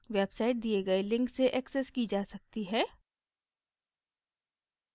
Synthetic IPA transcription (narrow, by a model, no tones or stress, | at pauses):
ʋebsaːɪʈ̚d̪ieɡɐelɪ̃ŋkseʔɛːksɛskid͡ʒaːsɐk̚t̪iɦɛː